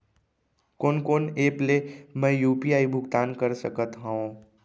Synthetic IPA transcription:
koːnkoːneːplemɛ̃juːpiaːibʱʊɡt̪aːnkəɾsəkət̪ɦãõ

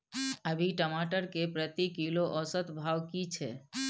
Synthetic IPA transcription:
əbʱiʈəmaʈəɾkepɾət̪ikiloʔəsət̪bʱaʋkit͡ʃʰḛ

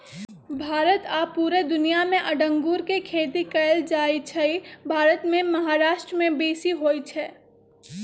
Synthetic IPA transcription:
bʱaːɾət̪aːpːuːɾed̪ʊnijamẽʔɐɖə̃ŋɡuːɾkekʰeːt̪ikɐjld͡ʒaːit͡ʃʰɛibʱaːɾət̪mẽmɐɦaːɾaːʃʈɾəmẽbeːsiɦoːit͡ʃʰɛː

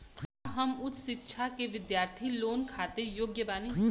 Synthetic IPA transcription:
ɦɐmʊt̪ʃɪtːʃʰakeʋɪd̪jaːɾt̪ʰiloːnkʰaːt̪ejoːɡjəbaːni

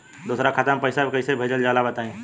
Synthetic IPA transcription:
d̪uːsɾakʰat̪əmpəɪsabkɐisebʱeːd͡ʒəld͡ʒaːlabɐt̪aːẽː

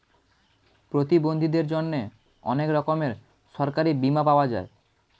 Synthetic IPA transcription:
pɾot̪ibond̪ʱid̪eɾd͡ʑonːe | ɔ̰nekɾɔkomeɾ | ʃɔɾkaɾibimapaoad͡ʑae

